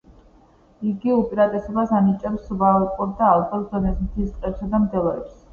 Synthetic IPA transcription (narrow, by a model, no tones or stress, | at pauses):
iɡiupʼiɾat̪ʼɛsɔbasanit͡ʃʼɛpsvalkʼɔɾd̪aːlˠbɔɾd̪ɔnɛsmt̪ʰist̪ʼqʼɛpsad̪amd̪ɛlˠaɾɛps